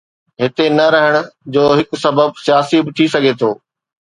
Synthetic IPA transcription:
ɦɪt̪enɐɾɐɦɪɽ̃ʊ̆d͡ʑoːɦɪkʊsɐbəb̚sijaːsibɪt̪ʰisɐɡʱet̪ʰoː

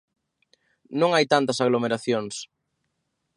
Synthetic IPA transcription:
nõŋajt̪ant̪ɐsaɣlomeɾaθjoŋs

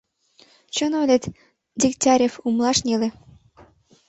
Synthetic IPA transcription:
t͡ɕonolʲet̪ | d̪ʲikt̪ʲɑɾʲefumlɑʃnʲelĕ

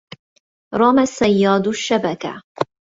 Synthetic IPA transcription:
ɾˤɑmasːajːaːd̪ʃːabaka̰

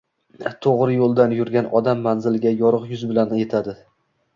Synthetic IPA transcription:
t̪ʰoʁɾɪjolˠd̪anjʊɾɡʲanʔɒd̪amːanzɪlɡʲajɒɾɨqjʊzbɪlanje̞t̪ʰad̪ɪ

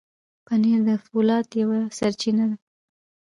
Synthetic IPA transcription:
kaneɾd̪əfulɑt̪jawasaɾt͡ʃinad̪a

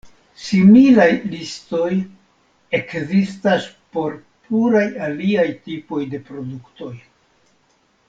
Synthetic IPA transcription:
similajlisto̞j | e̞kzistaspo̞ɾ | pluɾajaliajtipo̞jde̞pɾo̞dukto̞j

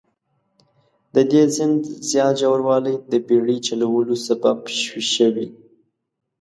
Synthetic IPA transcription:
d̪əd̪ezɪnd̪zjɑt̪ʒawaɾwɑləjd̪əbeɽit͡ʃalawəlosababʃwiʃəwi

